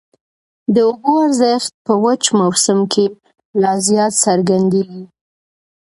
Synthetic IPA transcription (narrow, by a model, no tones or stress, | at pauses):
d̪əoboaɾzəxt̪̚pəwat͡ʃmawsamkʰe | lɑzjɑt̪saɾɡand̪eɡi